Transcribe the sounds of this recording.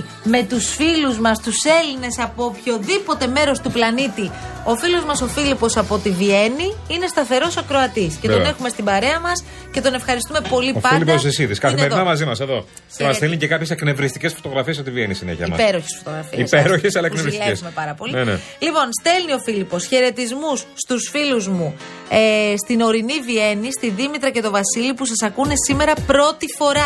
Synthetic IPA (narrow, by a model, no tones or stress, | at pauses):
me̞t̪usfiluzmɐst̪use̞line̞sɐpo̞ːpço̞ðipo̞t̪e̞me̞ɾo̞st̪uplɐnit̪io̞filozmɐso̞filipo̞sɐpot̪ivie̞niine̞st̪ɐθe̞ɾo̞soɐkɾo̞ɐt̪isce̞ne̞xume̞st̪ibɐɾe̞ɐmɐs | ce̞t̪o̞ne̞fxɐɾist̪umepo̞liopɐilipos̬esiðiskɐθimmeɾinɐmɐzimɐseðo̞ | emɐst̪elnicekɐpçesekne̞vɾist̪ice̞sfot̪o̞ɣɾɐfiesot̪ivienisineçiɐḭmɐ̰peɾo̞çesfot̪oɣɾɐfiiespeɾoçesɐlɐenevɾiseesumepɐɾɐpo̞linne | lipo̞nst̪e̞lnio̞filipo̞sçe̞ɾe̞t̪izmusːt̪usfiluzmu | st̪ino̞ɾinivie̞nist̪iðimit̪ɾɐce̞t̪o̞vɐsilipusɐsɐkune̞sime̞ɾɐpɾo̞t̪ifo̞ɾɐ